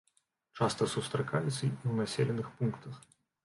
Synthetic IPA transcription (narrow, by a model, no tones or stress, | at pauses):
t͡ʂast̪ɐsust̪ɾakajɛt̪sʲɐiwnasʲelʲɛnɨxpunkt̪ɐx